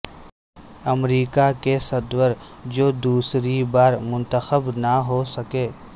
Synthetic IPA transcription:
ɐmɾiːkakesəd̪wəɾd͡ʒoːd̪uːsɾibaːɾmʊ̃nt̪əxəbnaɦosɐkeː

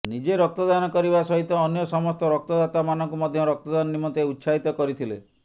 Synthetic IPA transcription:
nid͡ʒeɾɔk̚t̪ɔd̪anɔkɔɾibasɔɦit̪ɔːnjɔsɔmɔst̪ɔɾɔk̚t̪ɔd̪at̪amanɔŋkumɔd̪ʱjɔɾɔk̚t̪ɔd̪anɔnimɔt̪eut̪saɦit̪ɔkɔɾit̪ʰile

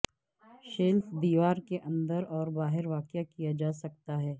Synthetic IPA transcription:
ʃeːlfd̪iːʋaːɾkeʔɐ̃nd̪əɾɔːɾbaːɦɪɾʋaːkjakijad͡ʒaːsɐk̚t̪aɦɛː

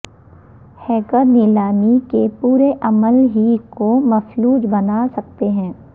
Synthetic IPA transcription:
hɛːkəɾnɪlaːnikepuːɾeʔɐməlɦikomɐfluːd͡ʒbɐnaːsɐk̚t̪eɦɛ̃ː

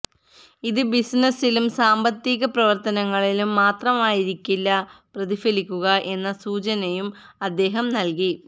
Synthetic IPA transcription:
iðɨbisnɐsilumsaːmbɐt̪ːiɣɐprɐʋɐrt̪ɐnɐŋːɐɭilumːaːt̪rɐmaːjiɾikʲːilːɐprɐðifɐlikʲːuɣɐʔe̞nːɐsuːt͡ɕɐnɐjum | ɐd̪ːe̞ːɦɐmnɐlki

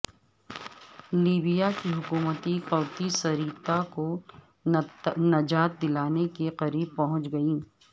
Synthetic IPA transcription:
liːbijakiɦʊkuːmət̪iqɔːt̪isɐɾiːt̪ako | nɐd͡ʒaːt̪̚d̪ɪlaːnekeqɐɾiːb̚pɐɦʊ̃t͡ʃɡɐiː

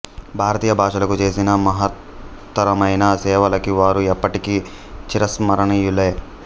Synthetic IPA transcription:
bʱaːɾɐt̪iːjɐbʱaːʃɐlɐkut͡ʃeːsinɐmɐɦɐt̪ː | ɐɾɐmɐjnɐsɛːʋɐlɐkiʋaːɾuɛpːɐʈiki | t͡ʃiɾɐsmɐɾɐɳɐjilːe

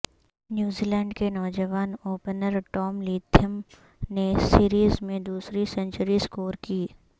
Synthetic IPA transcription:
njuːziːlɛ̃ːɳɖkenɔːd͡ʒəʋaːnoːpnəɾʈɔːmliːt̪ʰjəm | nesiːɾiːzmẽd̪uːsɾisə̃nt͡ʃəɾiskoːɾkiː

